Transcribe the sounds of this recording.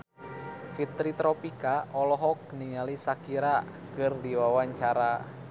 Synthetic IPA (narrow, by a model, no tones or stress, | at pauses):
fit̪ɾit̪ɾɔpikaɔlɔɦɔk̚niŋalisakiɾa | kərdiwawaɲt͡ʃaɾa